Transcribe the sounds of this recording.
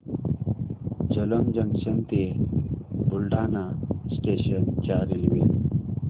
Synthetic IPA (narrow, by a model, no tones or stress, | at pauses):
d͡ʑələmd͡ʑəŋɕənt̪e | bulɖanasʈeɕənt͡ɕaɾilʋe